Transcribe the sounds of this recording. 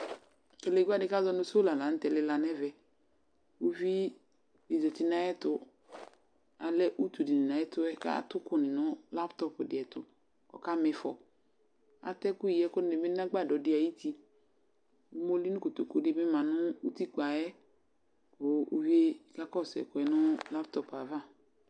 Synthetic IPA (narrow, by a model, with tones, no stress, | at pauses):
ke˨le˨ɡʷa˦˨dɪ˦ka˦zɔ˦nʊ̃˦so˦la˨la˨n̩˦tɛ˨lɪ˦la˨nɛ˦vɛ˨ | u˦vi˦ | i˨zɛ˨ti˨na˨jɛ˦tʊ˦ | a˨lɛ˦ʔu˦tu˨di˨nɪ˨na˨˦ɛ˦tʊ˦ɛ˦ka̰˦tʊ˦kʊ˦nɪ˨nʊ˦la˦ptɔ˦pʊ˨dɪ˨ɛ˨tʊ˨ | kɔ̰˨ka˦mɪ˨fɔ̰˨ | a̰˨tɛ˦kʊ˦i˨jɛ˦kʊ˦ɪ˨mɪ˦n˦a˦ɡ͡ba˦˨dɔ˨dɪ˦a˨ji˦ti˦ | u˦mo˦li˦nʊ˦ko˨to˨ko˦dɪ˨˦mɪ˦mã˨nʊ˦u˦ti˦k͡pa˨jɛ˦ | kʊ˨ṵ˦vi˦e˦˨ka˦kɔ˦˨sɛ̰˨kʊ˨ɛ˨nʊ˦la˦ptɔ˦pa˨va˦˨